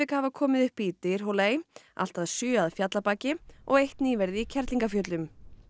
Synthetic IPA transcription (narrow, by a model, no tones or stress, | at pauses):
ɪkhavakʰɔːmɪðʏhpiːt̪ɪɾ̥ɦoleːja̰l̥t̪aðsʏːaðfjat̪lapaːcɪʔɔɣejht̪niːvɛɾðɪicʰɛɾt̪liŋkafjœːt̪lʏm